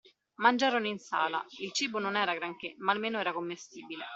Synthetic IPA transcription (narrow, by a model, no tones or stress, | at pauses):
mand͡ʒaːɾoninsa̰ːla̰ilt͡ʃiːbononɛːɾaɡɾaŋkemaːlmeːnoɛːɾakomːest̪iːbile